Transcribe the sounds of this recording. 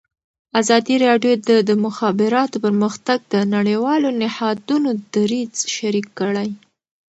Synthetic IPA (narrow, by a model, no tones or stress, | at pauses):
azɑd̪iɾɑɖjod̪əd̪əmʊxɑbɪɾɑt̪opəɾməxt̪aɡ̚d̪ənaɽewɑlonɪhɑd̪unod̪aɾizʃaɾikːəɽaj